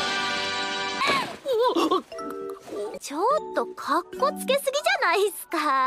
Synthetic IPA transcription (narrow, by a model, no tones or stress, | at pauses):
i | t͡ɕot̪ːo̞kʰakːo̞t͡sɨ̥ke̞sɨɡʲid͡ʑanaisɨ̥ka